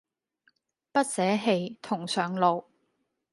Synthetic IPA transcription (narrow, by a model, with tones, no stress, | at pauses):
pɐ˥t̚sɛː˨˥ɦe˧jt̪ʰʊ˨˩ŋsœː˨˩ŋlo˨˧w